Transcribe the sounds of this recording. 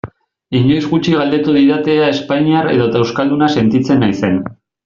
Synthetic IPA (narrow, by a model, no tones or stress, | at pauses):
iɲo̞jzɣut͡ʃiɣald̪e̞t̪uðiðat̪eae̞spaɲiaɾe̞̰ðo̞t̪awskald̪unase̞nt̪it͡se̞nːajse̞n